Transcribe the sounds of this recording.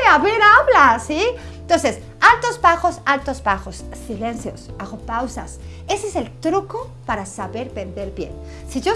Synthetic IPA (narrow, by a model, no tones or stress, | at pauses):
eaβenaβlasi | t̪onses | alt̪o̞zbaxo̞salt̪o̞zbaxo̞sːilenθjo̞saɣopawsas | e̞sese̞lt̪ɾuko | paɾasaβe̞ɾbẽ̞nd̪e̞ɾbje̞̰n | siʝo